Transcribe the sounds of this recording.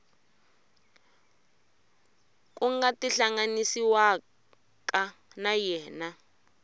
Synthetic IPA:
kuŋɡatiɬaŋanisiwa | ka | najɛːna

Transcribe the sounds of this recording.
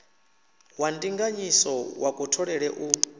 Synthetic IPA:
wandiŋɡaɲisɔwʔakʼutʰɔɺɛɺɛʔu

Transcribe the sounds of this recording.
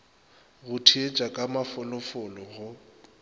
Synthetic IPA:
ɣʊtʰiet͡ʃʼakʼamafʊlɔfʊlɔɣʊ

